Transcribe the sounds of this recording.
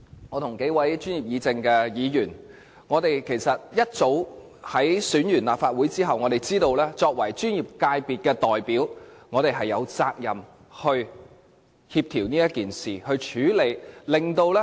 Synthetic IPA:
ŋɔː˨˧t̪ʰʊ˨˩ŋke˨˥jwɐ˨˥jt͡ʃyː˥nji˨p̚jiː˨˧t͡sɪ˧ŋkɛː˧jiː˨˧jyː˨˩n | ŋɔː˨˧t̪e˨jkʰe˨˩jsɐ˨t̚jɐ˥t̚t͡so˨˥w | hɐ˨˥jsyː˨˥njyː˨˩nla̰ː˨p̚faː˧t̚wuː˨˥jt͡siː˥ɦɐ˨wŋɔ˨˧ɾe˨jt͡siː˥t̪o˧wlɛː˥t͡sɔː˧k̚wɐ˨˩jt͡ʃyː˥njiː˨˩p̚kaː˧jpiː˨˩t̚kɛː˧t̪ɔː˨jpi˨˥wŋɔː˨˧ɾe˨jɦɐ˨˩jːɐ˨˧wt͡saː˧k̚jɐ˨m | hɵ˧ɥ | hiː˧p̚t̪ʰiː˨˩wniː˥jɐ˥t̚kiː˨nsiː˨˩hɵ˧ɥt͡ʃʰyː˨˥le˨˩jlɪ˨ŋt̪o˧wlɛː˥

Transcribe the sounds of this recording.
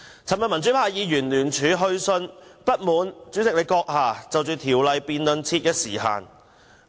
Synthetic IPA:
t͡sʰɐ˨˩mɐ˨nmɐ˨˩nt͡syː˨˥pʰaː˧jiː˨˧jyː˨˩nlyː˨˩nt͡ʃʰyː˨˧˥ɦɵ˧ɥsɵ˧npɐ˥t̚muː˨˧nt͡ʃyː˨˥t͡sɪ˨k̚le˨˧jkɔː˧k̚haː˨t͡sɐ˨wt͡ʃyː˨t̪ʰiː˨˩wlɐ˨˧jpiː˨nlɵ˨nt͡sʰiː˧t̚kɛ˧sḭː˨˩ɦa̰ː˨n

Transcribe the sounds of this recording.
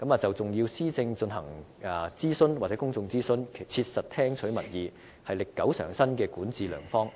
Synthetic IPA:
kɐ˨˥mɐː˨t͡sɐ˨wt͡sʊ˨ŋjiː˧wsiː˥t͡sɪ˧ŋt͡sɵ˧nɦɐ̰˨˩ŋː˨˧ | t͡siː˥sɵ˥nw̚t͡sɛ˨˥kʊ˥ŋt͡sʊ˧ŋt͡siː˥sɵ˥nkʰe˨˩jt͡sʰiː˧t̚sɐ˨t̚t̪ʰɛː˥ŋt͡ʃʰɵ˨˥ɥmɐ˨˩t̚jiː˨˧ | hɐ˨jlɪ˨kːɐ˨˥wsœ̰ː˨˩ŋsɐ˥nkɛː˧kuː˨˥nt͡siː˨˧lœ̰ː˨˩ŋfɔː˥ŋ

